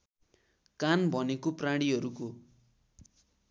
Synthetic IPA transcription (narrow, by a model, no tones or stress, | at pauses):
kanbʱʌnekopraɽ̃iɦʌɾuko